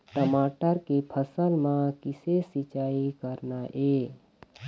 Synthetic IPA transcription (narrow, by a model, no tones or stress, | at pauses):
ʈəmaːʈəɾkepʰəsəlmãkɪsesɪt͡ʃaːikəɾnaʔeː